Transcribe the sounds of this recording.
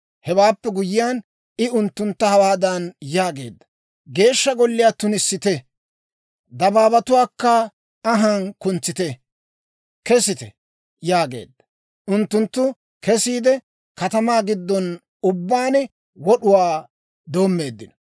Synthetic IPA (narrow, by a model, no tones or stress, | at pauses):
hɛwaːpːɛɡʊjɪjaːn | ɪʊnt̪ːʊnt̪ːɐhɐwaːd̪ɐnjaːɡe̞ːd̪ːɐ̥ | ɡe̞ːʃːɐɡɔlːɪjaːt̪ːʊnɪsːɪt̪ɛ | d̪ɐbaːbɐt̪ʊwaːkːɐː | ɦankʊnt͡sːɪt̪ɛ | kɛsɪt̪ɛ̰ | jaːɡe̞̰ːd̪ːɐ̥ | ʊnt̪ːʊnt̪ːʊ | kɛsiːd̪ɛ | kɐt̪ɐmaːɡɪd̪ːɔn | ʊbːaːnɛ | wɔɗʊwaː | d̪o̞ːmːe̞ːd̪ːɪnɐ